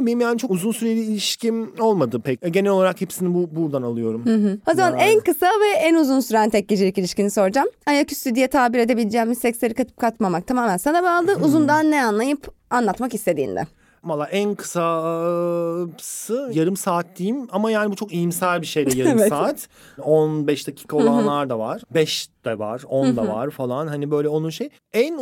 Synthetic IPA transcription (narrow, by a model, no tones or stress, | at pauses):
beimjaːnit͡ʃʰo̞kuzunsyɾelʲiːlʲiʃcʰimo̞lˠmad̪ɯpʰɛcɛɟe̞nɛlo̞lˠaɾakhepsinibubuɾd̪analˠɯjo̞ɾumhɯɦɯo̞zmanænkɯsavɛʔænuzunsyɾænt̪ʰɛc̚ɟed͡ʒilʲicilʲiʃciniso̞ɾd͡ʒamajaky̥st̪yd̪ijɛt̪ʰaːbiɾe̞d̪e̞bilʲd͡ʒɛːmisɛcslʲeɾikʰat̪ʰɯ̥p̚kʰat̪mamak̚t̪ʰamaːmænsanabaalˠd̪ɯuzund̪anːɛanlˠajɯpanlˠat̪makist̪ʰe̞d̪ḭːnd̪ɛ̰ | valˠːaːʔænkʰɯ̥sa | pʰsɯjaɾɯmsaːt̪ːijimamajaːnibut͡ʃʰo̞kijimsælʲbiʃe̞jd̪ɛjaɾɯmvmaːt̪ | onbɛʃd̪acʰi̥ːkʰao̞lˠanlˠaɾd̪avaɾ̥bɛʃd̪̥ɛva̰ɾ̥onnd̪ava̰ɾfalˠanhanibø̞jlʲɛonunʃej | æn